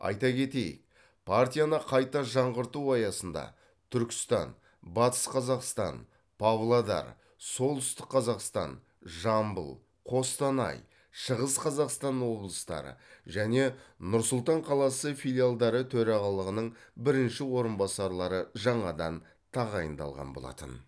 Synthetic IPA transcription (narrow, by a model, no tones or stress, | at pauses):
ɑ̰jt̪ɑkʲʰe̞t̪e̞jɪ̰k̚ | pʰart̪ʲijanəqʰɑjt̪ɑʒɑɴʁəɾt̪uɑjɑsənd̪ɑ̰ | t̪ʰʏɾkʲɪ̥st̪ɑ̰n | bɑt̪ə̥sqʰɑzɑqst̪ɑ̰n | pʰavlˠad̪ɑ̰ɾ | so̞lˠt̪ʏst̪ɪq̚qːʰɑzɑqst̪ɑ̰n | ʒɑmbə̰lˠ | qʰo̞st̪ɑnɑ̰j | ʃəʁəsqʰɑzɑqst̪ɑnwo̞blˠəst̪ɑ̰ɾə̰ʒæne̞nʊɾsʊlˠt̪ɑɴqʰɑlˠɑsəfilʲijalˠd̪ɑɾət̪ʰɵɾɑʁɑlˠəʁənəɴbɪɾɪnʃɪwo̞ɾənbɑsɑɾlˠɑɾəʒɑɴɑd̪ɑn | t̪ʰɑʁɑjənd̪ɑ̰lˠʁɑ̰nbolˠɑ̰t̪ə̰n